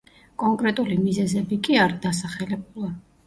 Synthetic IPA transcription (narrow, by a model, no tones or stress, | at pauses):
kʼɔŋkʼɾɛt̪ʼulimizɛzɛbikʼiaɾid̪asaχɛlɛbulˠa